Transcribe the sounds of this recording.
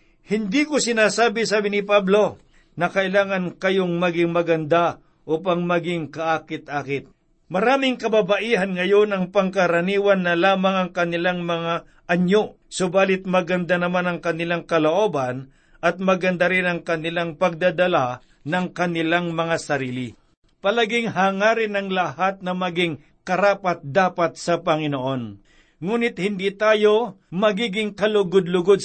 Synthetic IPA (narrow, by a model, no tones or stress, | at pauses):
hɪnd̪ikosɪnaːsaːbɪsaːbɪnɪpablo̞ | nɐkɐʔɪlaːŋɐnkɐjoŋmɐɡɪŋmɐɡɐnd̪a | ʔoːp̬ɐŋmɐɡɪŋkɐʔaːkɪt̪̚ʔaːkɪt̪̚ | mɐɾaːmɪŋkɐbabaʔiːɦɐnŋɐjo̞nɐŋpɐŋkɐɾɐniːwɐnːɐlaːmɐŋɐŋkɐnɪlaŋmɐŋa | ʔɐɲo | sobaːlɪt̪̚mɐɡɐnd̪anɐmanɐŋkɐnɪlaŋkɐloʔo̞ːbɐn | ʔɐt̪̚mɐɡɐnd̪aɾɪnɐŋkɐnɪlaŋpɐɡ̚d̪ad̪ɐla | nɐŋkɐnɪlaŋmɐŋasɐɾiːlɪ | pɐlaɡɪŋɦaːŋaːɾɪnɐŋlɐhat̪̚nɐmɐɡɪŋ | kɐɾaːpɐt̪̚d̪aːpɐt̪̚sɐpɐŋɪnoʔo̞n | ŋuːnɪt̪̚hɪnd̪it̪aːjo̞ | mɐɡiːɡɪŋkɐlʊɡʊd̪lʊɡod̪̚